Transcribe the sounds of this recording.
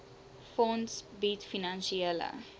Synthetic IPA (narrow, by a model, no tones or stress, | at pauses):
fõnsbit̪finãnsiəla̰